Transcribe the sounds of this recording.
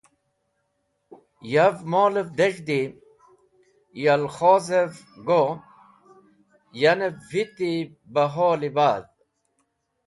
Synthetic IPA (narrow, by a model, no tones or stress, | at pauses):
javmoːlevd̪eʐd̪i | jɐlχoːzev | ɡo | jɐnevit̪i | bɐɦoːlibaːd̪̚